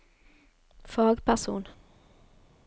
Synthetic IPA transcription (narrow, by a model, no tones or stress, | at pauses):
fɑːɡpʰæʁsṵːn